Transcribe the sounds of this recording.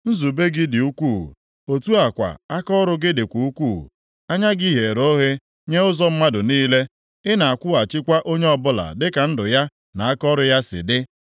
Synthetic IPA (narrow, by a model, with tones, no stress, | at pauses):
n̩˦zu˨be˦ɡɪ˦dɪ˨u˦kʷṵ˦˨ | o˨tu˦a˨kʷa̰˨a˦kɔ˦ɾʊ˦ɡɪ˦dɪ˨kʷu˨u˦kʷṵː˦˨ | a˦ɲa˦ɡi˦ɦe˨ɾo˦ɦe˦ | ɲe˦ʊ˦zɔ˦m̩˦ma˦dʊ˨niː˦le˦ | ɪ˦na˨a˨kʷʊ˦a˨t͡ʃɪ˦kʷa˦ʔo˦ɲe˦ɔ˨bʊ˦la̰˨dɪ˦ka˨n̩˦dʊ˨ja˦ | na˨a˦kɔ˦ɾʊ˨ja˦sɪ̰˨dɪ˦